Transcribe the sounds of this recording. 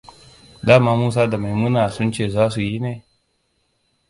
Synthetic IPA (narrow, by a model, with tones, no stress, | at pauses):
daː˦˨maː˦muː˦s̬aː˦da˨ma˨jmu˦na˨sʊ˦nt͡ʃeː˦˨zaː˦su˨ji˦ne˨